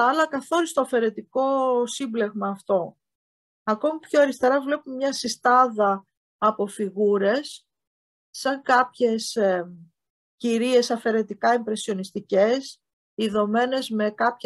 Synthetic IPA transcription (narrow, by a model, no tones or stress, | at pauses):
ɐlɐkɐθo̞ɾist̪oɐfe̞ɾe̞t̪iko̞simble̞ɣmɐːft̪o̞ | ɐko̞mipço̞ɐɾist̪e̞ɾɐvle̞pumɲɐsist̪ɐðɐː | po̞fiɣuɾe̞sː | ɐŋkɐpçe̞s | ciɾie̞sɐfe̞ɾe̞t̪ikɐimpɾe̞sio̞nist̪ice̞s | iðo̞me̞ne̞zme̞kɐpçe